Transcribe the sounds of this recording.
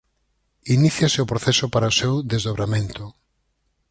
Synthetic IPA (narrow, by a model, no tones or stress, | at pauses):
iniθjasɪʊpɾoθɛsʊpaɾaosewðezðoβɾamẽnt̪ʊ